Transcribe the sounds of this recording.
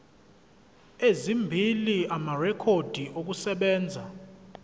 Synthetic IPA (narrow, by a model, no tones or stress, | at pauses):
ezimbʱiliamarɛkʰod̥ʱiʔok̬usɛɓɛːnd͡zʱa